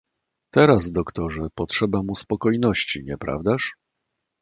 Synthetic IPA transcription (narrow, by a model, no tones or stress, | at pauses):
t̪ɛɾazd̪ɔkt̪ɔʐɛpɔtʂɛbamuspɔkɔjnɔɕt͡ɕiɲɛpɾa̰vd̪aʂ